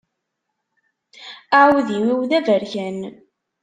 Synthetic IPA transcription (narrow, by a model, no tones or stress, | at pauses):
aʕwðiwiwðævəɾçæn